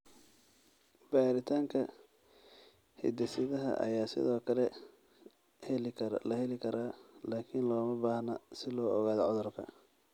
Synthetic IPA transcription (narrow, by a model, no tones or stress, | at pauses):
b̥aːɾɪt̪ʰaːŋkʰɐ | hɪ̰d̪ɛsɪðɐɦɐ̰ʔɐ̰jaːsɪ̰ðɔːkʰɐlɛ | hɛllɐhɛlɪkʰɐɾaːlaːkʰɪnlɔːmɐbaːhnɐsɪlɔːɔɣaːðɔʕʊðʊrkʰɐ̰